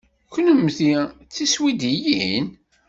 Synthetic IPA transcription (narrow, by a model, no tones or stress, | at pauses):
kənəmθiθiswid̪ijin